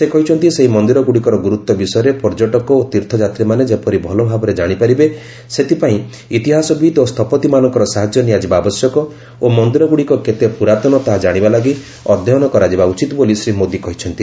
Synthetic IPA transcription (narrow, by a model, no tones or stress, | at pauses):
sekɔɦit͡ʃʰɔnt̪iseɦimɔnd̪iɾɔɡuɽikɔɾɔɡuɾut̪ːɔbisɔjɔɾepɔɾd͡ʒɔʈɔkɔot̪iɾt̪ʰɔd͡ʒat̪ɾimaned͡ʒepɔɾibʱɔlɔbʱabɔɾed͡ʒaɽ̃ipaɾibe | set̪ipaĩ | it̪iɦasɔbit̪ost̪ʰɔpɔt̪imanɔŋkɔɾɔsaɦad͡ʒjɔnijad͡ʒibaːbɔsjɔkɔ | omɔnd̪iɾɔɡuɽikɔket̪epuɾat̪ɔnɔt̪aɦad͡ʒaɽ̃ibalaɡi | ɔd̪ʱeɦɔnɔkɔɾad͡ʒibaut͡ʃit̪ɔbolisɾimod̪ikɔɦit͡ʃʰɔnt̪i